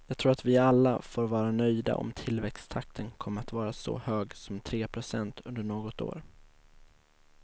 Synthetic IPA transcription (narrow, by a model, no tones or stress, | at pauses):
jɑːɡt̪ʰɾuːɾat̪vɪalːafoːɾvɑːɾanœjd̪a̰ʔɔ̰mt̪ʰɪlvɛkst̪ʰakt̪ʰənkʰɔmːəɾat̪vɑːɾasɔ̰høːɡsɔmt̪ʰɾeːpʰɾʊsɛnt̪ʰɵnd̪əɳoːɡɔt̪o̰ːɾ